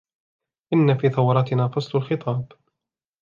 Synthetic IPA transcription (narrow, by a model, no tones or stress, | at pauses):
ʔɪnːafiːθɑwɑɾˤɑt̪ɪnaːfɑsˤlʊlxɪt̪ˤɑːb